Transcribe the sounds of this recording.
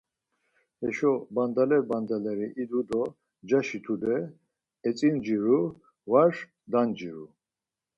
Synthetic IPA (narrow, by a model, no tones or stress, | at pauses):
hɛʃɔband̪alɛɾband̪alɛɾiʔid̪ud̪ɔ | d͡ʒaʃit̪ʰud̪ɛ | ɛt͡sʼind͡ʒiɾu | vaɾʂ | d̪and͡ʒiɾu